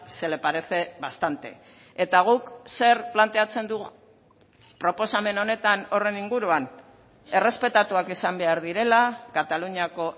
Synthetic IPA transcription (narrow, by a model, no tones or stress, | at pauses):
se̞le̞paɾe̞θe̞βast̪ant̪e̞̰ | et̪aɣ̞ukse̞ɾplant̪e̞at͡se̞nd̪uɣ | pɾo̞po̞same̞no̞ne̞t̪ano̞re̞niŋɡuɾuan | e̞re̞spe̞t̪at̪uakisambe̞aɾðiɾe̞lakat̪aluɲiako̞